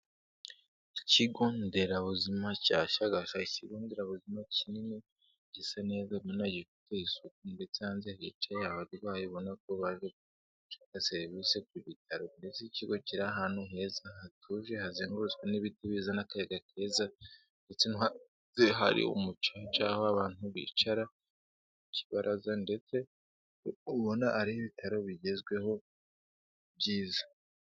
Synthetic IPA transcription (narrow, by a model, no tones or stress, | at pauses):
iciɡo̞ːnde̞ɾaβuzimacaʃaɡaʃaiciɡo̞ːnde̞ɾaβuzimacinine | ɟesane̞ːzamonaɟikutejisukunde̞t͡sehaːnzehait͡ʃajaβaɾiwaːjoβo̞nak̚o̞βaʒe | t͡ʃḁkaseɾβise̞kuβitʰaɾonde̞t͡seciɡo̞ciɾaɦaːnuɦe̞zahatʰuʒe̞haziːŋɡuɾut͡sɡweniβitiβizanakajeɡakʰe̞ːza | nde̞t͡sena | zeɦaɾḭṵmut͡ʃat͡ʃahoaβaːn̥uβḭt͡ʃaɾa | ici̥βaɾʔazande̞t͡se̞ | uβo̞naːɾiiβitʰaɾo̞βiɟe̞zɡwe̞ho̞ | βjiːzḁ